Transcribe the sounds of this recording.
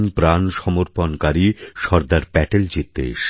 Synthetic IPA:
npɾanʃɔmoɾponkaɾiʃɔɾd̪aɾpɛʈeld͡ʑit̪ːḛʃ

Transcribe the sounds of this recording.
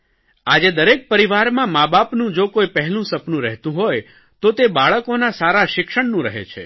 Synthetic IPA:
ad͡ʒed̪əɾek̚pəɾiʋaɾmãmabapnũd͡ʒokoipəɦɛlũsəpnũɾɛɦt̪ũɦoj | t̪ot̪ebaɭəkonasaɾaʃɪkʃəɳnũɾəɦḛt͡ʃʰḛ

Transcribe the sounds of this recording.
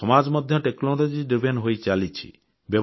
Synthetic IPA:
ɔmad͡ʒmɔd̪ʱjɔʈeknɔlod͡ʒiɖipʰenɦojt͡ʃalit͡ʃʰḭ | bjɔb

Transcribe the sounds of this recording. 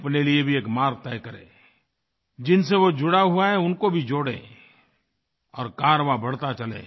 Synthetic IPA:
ɐpneliebʱieːkmaːɾɡ̚t̪ɛːjkɐɾḛ̃ː | d͡ʒɪnseʋod͡ʒʊɽaɦuaɦɛʊnkobʱid͡ʒoːɽḛ̃ː | ɔːɾkaːɾʋabɐɽ̤t̪at͡ʃɐlḛ̃ː

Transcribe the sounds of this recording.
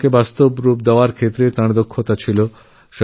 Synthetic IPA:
kebast̪obɾup̚d̪eoaɾkʰet̪ːɾet̪ãɽd̪okʰːot̪at͡ɕʰilo | ʃ

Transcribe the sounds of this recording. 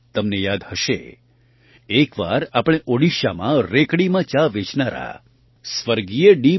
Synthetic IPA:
t̪əmnejad̪həʃḛ | ekʋa̰ɾapɽ̃eʔoɽiʃamãɾekɽimãt͡ʃaʋet͡ʃnaɾa̰ | sʋəɾɡijeɖi

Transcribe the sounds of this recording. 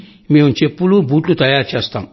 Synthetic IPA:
meːmut͡ʃepːulubuːʈlut̪ɐjaːɾt͡ʃɛːst̪a̰ːm

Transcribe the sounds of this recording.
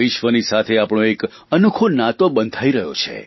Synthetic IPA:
ɪʃʋənisat̪ʰeapɳ̃õek | ənukʰonãt̪obənd̪ʱaiɾəɦjo̰t͡ʃʰḛ

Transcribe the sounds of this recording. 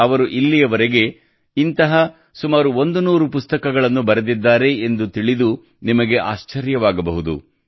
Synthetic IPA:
ɐʋɐɾuʔilːijɐʋɐɾeɡe̞ | int̪ɐɦɐ | sumaːɾuond̪unuːɾupust̪ɐkɐɡɐɭɐnːubɐɾed̪id̪ːaːɾe̞end̪ut̪iɭid̪u | nimɐɡe̞ʔa̰ːʃt͡ʃɐɾjɐʋaːɡɐbɐɦud̪ṵ

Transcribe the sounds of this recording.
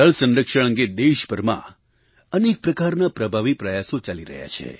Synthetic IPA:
əɭsə̃nɾəkʃəɭ̃ə̃ŋɡed̪eʃpəɾmã̰ | ənek̚pɾəkaɾnapɾəbʱaʋipɾəjasõt͡ʃaliɾə̰ɦja̰t͡ʃʰḛ

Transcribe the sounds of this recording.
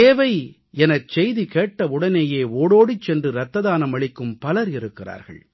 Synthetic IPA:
t̪eːʋɐɪ | ɛnɐt͡ʃɛjðikeːʈːɐʊɽɐneːjeːoːɽoːɽit͡ʃːɛndrɯɾɐt̪ːɐðaːnɐmɐɭɪkːɯmpɐlɐɾɪɾɯkːɪra̰ːɾɣɐ̰ɭ

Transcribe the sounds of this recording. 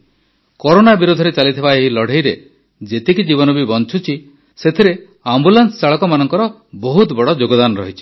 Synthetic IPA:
kɔɾonabiɾud̪ʱɔɾet͡ʃalit̪ʰibaeɦilɔɽ̤ʱejɾe | d͡ʒet̪ikid͡ʒiβɔnɔbibɔnt͡ʃʰut͡ʃʰi | set̪ʰiɾe | ambulansɔ̥saɭɔkɔmanɔŋkɔɾɔ | bɔɦut̪bɔɽɔd͡ʒoɡɔd̪anɔɾɔɦit͡ʃʰi̥

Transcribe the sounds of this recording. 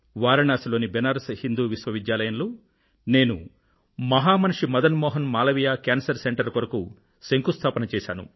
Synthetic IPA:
ʋaːɾɐɳaːsiloːnibɛnaːɾɐsɐhind̪uːʋisʋɐʋid̪jaːlɐjɐnloː | ne̞ːnu | mɐɦaːmɐnʂimɐd̪ɐnmɔːɦɐnmaːlɐʋijaːkaːnsɐɾseɳʈɐɾkɔɾɐku | seŋkust̪ʰaːpɐnɐt͡ʃɛːʃa̰ːnṵ

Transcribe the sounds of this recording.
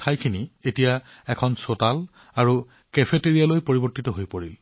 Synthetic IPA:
tʰajkʰinietija | ɛkʰɔnsotal | aɹu | kepʰeteɹijalojpoɹibɔɹtitɔɦojpoɹil

